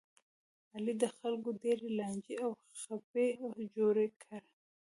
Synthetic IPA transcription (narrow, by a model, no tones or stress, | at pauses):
alid̪əxalɡodeɾelɑnd͡ʒiaw | xaped͡ʒoɾekʰaɾ